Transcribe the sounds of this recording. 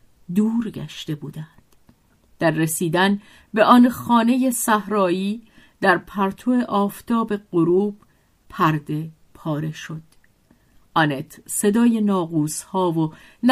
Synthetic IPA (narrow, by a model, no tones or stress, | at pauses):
d̪uːɾɡæ̰ʃt̪e̞buːd̪ænd̪̥ | d̪̥æɾːesiːd̪æn | be̞ʔɒnxɒːne̞je̞sæhɾɒːjiːd̪æɾpʰæɾt̪ʰoeʔɒːft̪ʰɒːbe̞ɢoɾuːb̥ | pʰæɾd̪e̞ | pʰɒːɾe̞ʃo̞d̪̥ | ʔɒnet̪ʰse̞d̪ɒːje̞nɒːɣuːshɒːvon